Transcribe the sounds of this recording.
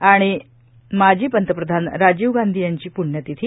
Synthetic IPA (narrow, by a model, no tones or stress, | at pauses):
aɽ̃i | mad͡ʑʱiːpənt̪əpɾəd̪ʱanɾad͡ʑiːʋɡand̪ʱijaɲt͡ɕiːpuɽɳːət̪it̪ʰi